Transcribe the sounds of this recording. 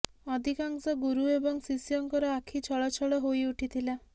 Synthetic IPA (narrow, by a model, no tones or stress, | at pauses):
ɔd̪ʱikaŋsɔɡuɾuebɔŋsisijɔŋkɔɾɔakʰit͡ʃʰɔɭɔt͡ʃʰɔɭɔɦojuʈʰit̪ʰila